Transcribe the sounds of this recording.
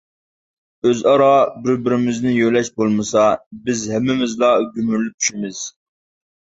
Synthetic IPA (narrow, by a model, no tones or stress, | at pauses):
øzɑɾɑbɪɾbɪɾɪmɪznɪjøjlɛʃbolˠmɨsɑbɪzhɛmːɪmɪzlˠɑɡʲymyɾlyp̚t͡ʃ̪ʰy̥ʃimɪz̥